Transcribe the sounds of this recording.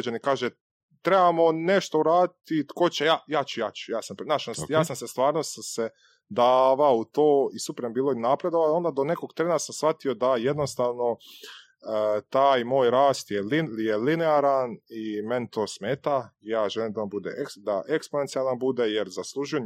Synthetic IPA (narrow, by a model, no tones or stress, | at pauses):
d͡ʑanikaːʒe | t̪ɾe̞bamo̞neʃt̪o̞uɾaːd̪it̪it̪ko̞t͡ɕejaːjaːt͡ɕujaːt͡ɕu̥jaːsampnaːʃjaːsamsest̪ʋaːɾnosase | d̪aʋaout̪oːisupɾembiːlˠoinapɾe̞d̪oʋano̞nd̪ad̪one̞ko̞ɡt̪ɾeːnasamsʋat̪io̞d̪ajed̪no̞st̪aːʋno̞ | t̪aːjmoːjɾaːst̪jelijelineaɾanime̞nt̪ʰo̞ːsmeːt̪aijaːʒelimd̪aombud̪ḛkd̪aʔeksponent̪sialˠanbud̪ejeɾzaslˠuːʒuje